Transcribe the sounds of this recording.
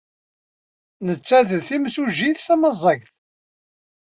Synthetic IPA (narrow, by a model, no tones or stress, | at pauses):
nət͡sːæðəðθimsuʒiθθæməzˤːəʝθ